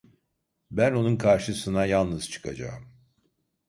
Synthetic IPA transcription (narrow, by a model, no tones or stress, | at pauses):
bæno̞nunkʰaɾʃɯsɯnajalˠnɯz̥t͡ʃʰɯ̥kʰa̰d͡ʒa̰ːm